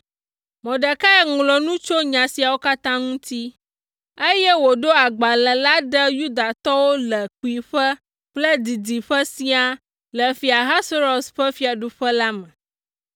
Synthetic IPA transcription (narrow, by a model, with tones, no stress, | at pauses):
mɔ̃˨ɖɛ˨ka˦ɛ˨ŋlɔ˨nũ˦t͡ʃo˦ɲã˨si˨a˨wo˦ka˦t̪ã˦ŋũ˦t̪i˦ | e˦jɛ˦wo˨ɖo˦a˨ɡ͡ba˨lɛ˨la˦ɖə˦ju˦d̪a˨t̪ɔ˦wo˦lɛ˨k͡pi˨ɸɛ˦ | k͡plɛ˦d̪i˨d̪i˨ɸə˦sĩ˦a˨ | lə˨fi˨a˨ɦa˦so˦ɾo˨sɸɛ˦fi˨˦a˨ɖu˦ɸɛ˦la˦mɛ̃˨